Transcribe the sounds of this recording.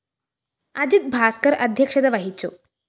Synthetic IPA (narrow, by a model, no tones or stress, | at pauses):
ad͡ʑit̪̚bʱaskəɾɐd̪ʱjəkʂɐd̪ɐʋɐɦit͡so